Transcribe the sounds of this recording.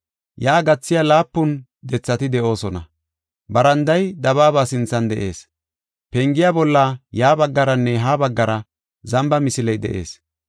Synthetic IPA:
jaːɡɐt͡sːɪjalaːpːʊn | d̪ɛt͡sːɐt̪ɪd̪ɛʔo̞ːsɔnɐ̰ | bɐɾɐnd̪ɐjd̪ɐβaːbaːsɪnt͡sːɐnd̪ɛ̰ʔe̞̰ːs | pɛŋɡɪjaːbɔlːajaːbɐɡːɐɾɐnːɛɦaːbɐɡːɐɾɐ | zɐmbɐmɪsɪlɛjd̪ɛ̰ʔe̞̰ːs

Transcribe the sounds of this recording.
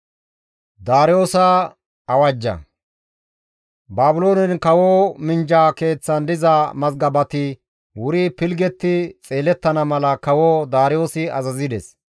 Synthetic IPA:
d̪aːɾjo̞ːsɐ | ɐwɐd͡ʒːɐ̰ | baːbʊlo̞ːnɛnkɐwoːmɪnd͡ʒaːke̞ːt͡sːɐnd̪ɪzɐmɐzɡɐbɐt̪ɪ | wʊɾipɪlɡɛt̪ːɪt͡sʼe̞ːlɛt̪ːɐnɐmɐlɐkɐwoːd̪aːɾɪjo̞ːsɪɐ̰zɐzɪd̪ɛs

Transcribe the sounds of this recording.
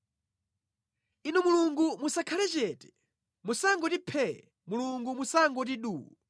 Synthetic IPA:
inumuluŋɡumusakʰalɛt͡ʃɛtɛ̥ | musaŋɡɔtipʰɛɛ | muluŋɡumusaŋɡɔtiɗuːu

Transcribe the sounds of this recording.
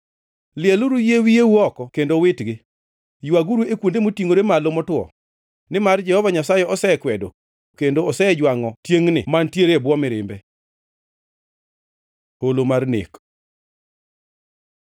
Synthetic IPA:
lɪɛluɾujewijewuɔkɔkendowɪtɡɪ | jwaɡuɾuekwondemotiŋoɾemalomɔtwɔ̰ | nɪmard͡ʒɛhɔvaɲasajɛɔsɛkwɛdo | kendoɔsɛd͡ʒwaŋɔtjeŋnɪ̰mantjeɾebwɔmɪɾɪ̰mbɛ | holomarnḛk

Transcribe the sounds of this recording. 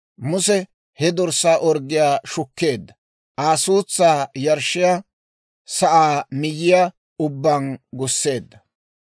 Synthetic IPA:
mʊsɛ | hɛd̪ɔɾsaːʔɔɾɡɪjaːʃʊkːe̞ːd̪ːɐ | ʔaːsuːt͡sːaːjɐɾʃɪja | sɐʔaːmɪjːɪja | ʊbːanɡʊsːe̞ːd̪ːɐ

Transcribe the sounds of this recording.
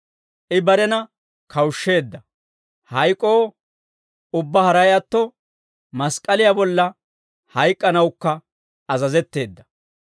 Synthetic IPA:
ʔɪbɐɾɛnɐ | kʰɐwʃːe̞ːd̪ːɐ | hɐjkʼːo̞ː | ʊbːɐhɐɾɐjɐt̪ːɔ | mɐskʼːɐlɪjabɔlːɐ | hɐjkʼːɐnɐwʊkːɐ | ɐzɐzɛt̪ːe̞ːd̪ːɐ

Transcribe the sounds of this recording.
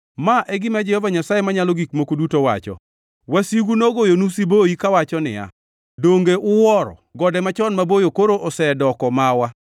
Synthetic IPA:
maʔɛɡɪmɛd͡ʒɛhɔvaɲasajemaɲalɔɡikmokodutowa̰t͡ʃɔ̰ | wasiɡunoɡojonusiboikawat͡ʃɔnɪ̰ja̰ | doŋɡeʔʊwɔɾɔ̰ɡɔdɛmat͡ʃɔnmabojokoɾoʔɔsɛdɔkɔmawa

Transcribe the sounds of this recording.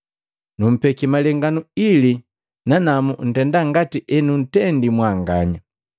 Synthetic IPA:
num̩pɛkimalɛŋɡanuili | nanamun̩tɛndaŋɡatiʔɛnun̩tɛndimwaŋɡaɲa

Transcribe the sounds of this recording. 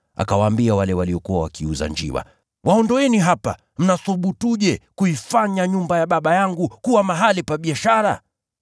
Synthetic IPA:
a̰kawaːmbiawalɛwaliɔkuwawakiuza̰ɲd͡ʒḭwa̰ | waɔndɔɛniɦapa̰ | m̩naθuɓutuʄɛkuifaɲaɲumbajaɓaɓajaŋɡukuwamaɦalipaɓiaʃaɾa

